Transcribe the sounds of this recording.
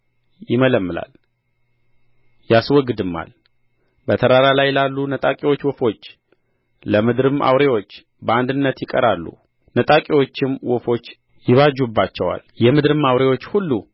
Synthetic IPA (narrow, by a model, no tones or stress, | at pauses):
jɪmələmːɨla̰l | jaswɔɡd̪ɨmːa̰l | bət̪ʰəɾaɾalajɛlalːunət̪ʼakʼewo̞t͡ʃːwɔfo̞t͡ʃː | ləmɨd̪ɾɨmʔa̰wɾe̞wo̞t͡ʃː | bəand̪ɨnːət̪jɪkʼə̰ɾalːṵ | nət̪ʼakʼewo̞t͡ʃːɪmwɔfo̞t͡ʃː | jɪβad͡ʒːubːat͡ʃːɛwa̰ljɛmɨd̪ɾɨmawɾe̞wo̞t͡ʃːhulːu